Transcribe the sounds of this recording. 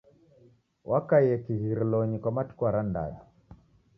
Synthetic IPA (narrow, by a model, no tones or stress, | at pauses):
wʔakaiɛkiɣiɾilɔɲikwamatu̥kuaɾanda̰ja̰